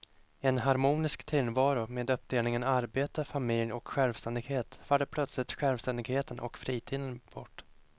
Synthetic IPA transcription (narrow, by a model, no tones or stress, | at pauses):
ɛnɦaɾmuːnɪskt̪ʰɪlvɑːɾʊmeːd̪ɵp̚ːd̪eːlnɪŋənaɾbeːt̪afamɪljɔkɧɛlvst̪ɛnd̪ɪɡheːt̪falːəpʰlœt̪slɪt̪ɧɛlvst̪ɛnd̪ɪɡheːt̪ənʔɔ̰kfɾiːt̪ʰiːd̪ənb̥ɔʈː